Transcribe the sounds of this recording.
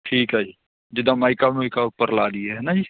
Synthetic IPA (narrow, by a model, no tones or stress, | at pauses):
ʈʰiːkɦɛd͡ʒiː | d͡ʒɪd̪amaɪkamojkapəɾlaːd̪ieɦɛnad͡ʒiː